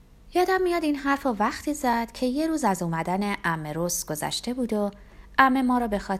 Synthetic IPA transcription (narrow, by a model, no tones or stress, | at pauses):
jɒːd̪æmːijɒːd̪iːnɦæɾfɒvæxt̪ʰiːzæd̪̥cʰe̞je̞ɾuːzæzuːmæd̪æne̞ʔæmːeɾosɡ̥o̞zæ̰ʃt̪e̞buːd̪o | æmːe̞mɒːɾɒːbe̞xɒː